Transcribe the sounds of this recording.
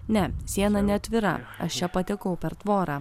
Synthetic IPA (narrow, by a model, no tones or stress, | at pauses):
nʲɛsʲiɛnɐnʲɛɐt̪ʲʋʲɪɾɐ̰ɐ̰ʃt͡ʃʲɛpɐt̪ʲɛkɐʊpʲɛɾt̪ʋoːɾaː